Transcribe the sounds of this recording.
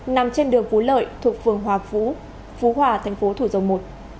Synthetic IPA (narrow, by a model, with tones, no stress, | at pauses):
na˨˩mt͡ɕe˧nɗɨ˨˩əŋvu˨˦lə̰ː˧˨jt̪ʰu˨˩ək̚fɨ˨˩əŋɦwaː˨˩vṵ˧˥ | vu˨˦ɦwaː˨˩t̪ʰɛ˨˩jŋ̟fo˨˦t̪ʰu˧˩zə˨˩wmo˨˩t̚